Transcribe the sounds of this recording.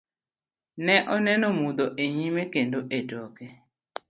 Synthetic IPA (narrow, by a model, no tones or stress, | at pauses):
nɛʔɔnɛnɔmud̪oʔeɲimekendoʔedɔkɛ